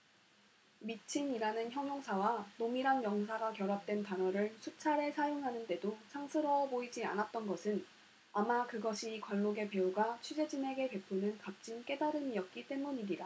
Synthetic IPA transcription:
mit͡ɕʰiniɾanɯnçjʌŋjoŋsʰawanomiɾanjʌŋs̬ʰaɡakjʌɾap̚t͈we̞ntanʌɾɯɭsʰut͡ɕʰaɾe̞sʰajoŋɦanɯnde̞dosʰaŋsʰɯɾʌboid͡ʑia̰nat̚t͈ʌnɡʌsʰɯn | amakɯɡʌɕʰikwaɭːoɡe̞pe̞uɡat͡ɕʰud͡ʑe̞d͡ʑine̞ɡe̞pe̞pʰonɯnkap̚t͡ɕ͈ink͈e̞daɾɯmiʌt̚k͈it͈e̞muɲiɲiɾa

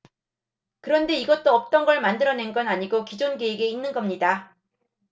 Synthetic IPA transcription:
kɯɾʌnde̞iɡʌt̚t͈oʌp̚t͈ʌnɡʌɭmandɯɾʌne̞nɡʌnaɲiɡokid͡ʑonɡeeɡe̞inːɯnɡʌmɲida

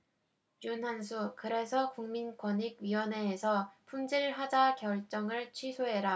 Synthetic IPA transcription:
junɦansʰukɯɾe̞sʰʌkuŋminkwʌɲiɡ̚ɥiwʌne̞ːsʰʌpʰumd͡ʑiɾɭɦad͡ʑakjʌɭt͡ɕ͈ʌŋɯɭt͡ɕʰɥisʰoɦe̞ɾa

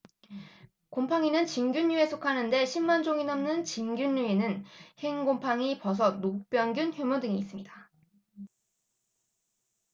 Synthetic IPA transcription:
kompʰaŋinɯnt͡ɕiŋɡjuɲːue̞sʰokʰanɯnde̞ɕʰimːand͡ʑoŋinʌmnɯnt͡ɕinɡjunɲːuinɯnheŋɡompʰaŋipʌs̬ʰʌnok̚p͈jʌnɡjunçjumodɯŋiːs͈ɯmɲida

